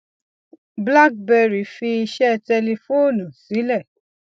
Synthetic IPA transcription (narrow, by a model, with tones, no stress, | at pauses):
bla˦k̚bɛ˧ɾi˨fi˧i˧ʃɛ˦˧tɛ˧le˧fo˦˨nũ˨si˨˦lɛ˦˨